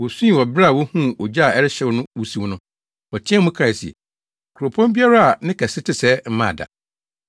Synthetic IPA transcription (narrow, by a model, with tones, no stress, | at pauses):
wɔ˨sũ˦i˨wɔ˨bɾa˦a˨wɔ˦hũ˦˨ɔ˨d͡ʑa˦a˨ɛ˦ɾɪ˦ɕɛ˦wʊ˦nʊ̃˦wu˦si˦wʊ˦nʊ̃˦ | ɔ˨tʰɪ̃˦ɛ˦mʊ̃˦kʰa˦˨si˨ɛ̰˨ | kʰu˨ɾo˨pʰɔ̃˦mbi˦a˦ɾa˦a˨nɪ̃˦kʰɛ˨sɪ˦tʰɪ˦sɛ˦m̩˦mã̰˦˨da̰˨